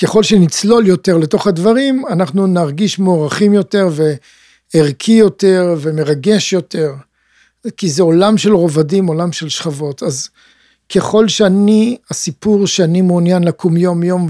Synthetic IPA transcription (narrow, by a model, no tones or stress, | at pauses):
ke̞χo̞lʃenit͡slo̞ljo̞te̞ʁleto̞χhadvaʁimanaχnunaʁɡiʃmeoʁaχimjo̞te̞ʁve̞ː | ʁkʰijo̞te̞ʁve̞me̞ʁaɡe̞ʃjo̞te̞ʁ | kizeolamʃe̞lʁo̞vadimo̞lamʃe̞lʃχavo̞tʰaz | kʰe̞χo̞lʃeaniasipuʁʃeanimuːnjanlakumjo̞mjo̞m